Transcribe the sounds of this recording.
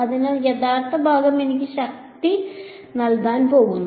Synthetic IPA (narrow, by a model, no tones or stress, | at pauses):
ɐd̪inɐjɛd̪aːɾt̪ʰɐbʱaːɡɐminɐkiʃɐk̚t̪i | nɐld̪aːnipoːɡun